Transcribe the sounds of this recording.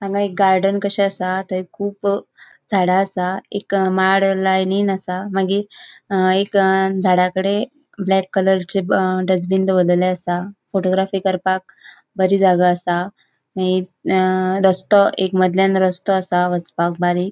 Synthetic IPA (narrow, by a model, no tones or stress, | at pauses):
maɡãek̚ɡaɾɖənkəɕɛəsat̪əɾikʰuːp | d͡zʱaɽaəsaekmaɽlajninəsamaɡi | ekd͡zʱaɽakəɽe | blɛkːələɾt͡ɕeɖəd͡zbind̪ʋəlleəsafoʈoɡɾafiːkəɾpak̚ | bəɾiːd͡zʱaɡaːsa | maɡi | ɾəst̪ɔʔekməd̪ʱljanɾəst̪ɔəsaʋət͡spak̚baɾik